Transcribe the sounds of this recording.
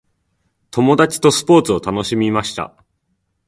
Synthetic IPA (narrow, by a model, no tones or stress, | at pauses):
t̪o̞mo̞d̪at͡ɕi̥t̪o̞sɨ̥po̞ːt͡sɨo̞t̪ano̞ɕimʲimaɕi̥t̪a̰